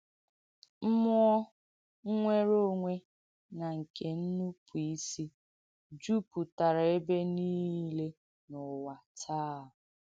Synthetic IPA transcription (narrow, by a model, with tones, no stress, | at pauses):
m̩˦mʊ˦ɔ˦ | ŋ̩˦ŋʷe˦ɾo˦ŋʷe˦ | na˨ŋ̩˨ke˨n̩˦nu˦pʰu˨i˦si˦ | d͡ʒu˦pu˨ta˨ɾa˨e˦be˦niː˦le˦ | nʊ˨wa˨tʰaː˦˨ʊ˨